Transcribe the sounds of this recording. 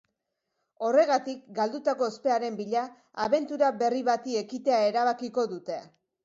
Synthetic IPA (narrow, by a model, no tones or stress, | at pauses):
o̞re̞ɣ̞at̪ik̚ɡald̪ut̪ako̞spe̞aɾe̞mbiʎaː | βe̞nt̪uɾaβe̞riβat̪ie̞kit̪e̞ae̞ɾaβ̞akiko̞ðut̪e̞